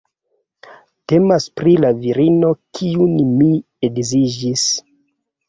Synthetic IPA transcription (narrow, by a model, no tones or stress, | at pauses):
te̞maspɾilaviɾino̞kʰiunmi | eɡzid͡ʒis